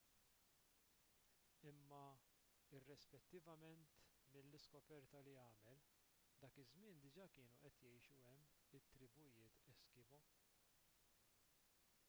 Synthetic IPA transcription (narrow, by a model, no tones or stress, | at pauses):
ɪmːɐ | ɪrːɛspɛt̪ːɪvɐmɛnt̪ | mɪlːɪskɔpɛɾt̪ɐliɐːmɛl | d̪ɐːkɪzmɪːnd̪ɪd͡ʒɐːkɪːnuʔɛt̪jɛjʃuɛmːɪt̪ːɾɪbʊjɪːt̪ɛskɪbɔ